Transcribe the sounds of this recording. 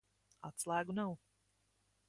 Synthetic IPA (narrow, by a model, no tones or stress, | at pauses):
at̪slˠæːɡunaw